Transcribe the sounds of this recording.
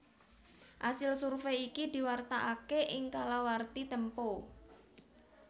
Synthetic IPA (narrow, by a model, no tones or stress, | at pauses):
ʔasɪlsurfeikid̪i̤wart̪aʔakeʔɪŋkalawart̪it̪əmpo